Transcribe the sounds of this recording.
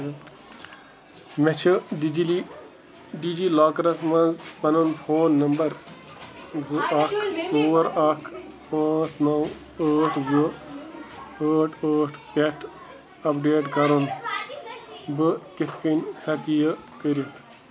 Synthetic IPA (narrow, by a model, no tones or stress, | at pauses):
met͡ʃʰɨɖid͡ʒili | ɖid͡ʒiːlaːkɾɐsmɐ̃nzpɐnunpʰoːnːɐmbɐɾ | zɨʔɐkʰt͡soːɾɐkʰpãːsnɐw | əːʈʰz | əːʈʰəːʈʰpʲɛʈʰ | ɐpɖeːʈkɐɾun | bɨkit̪ʰkinʲhɐkijəkəɾiɐt̪ʰ